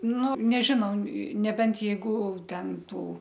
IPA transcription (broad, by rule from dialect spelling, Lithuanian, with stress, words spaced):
ˈnʊ nʲɛˈʒʲɪnɐʊ nʲɛˈbʲɛnt jɛɪˈɡʊˈtʲɛn ˈtuː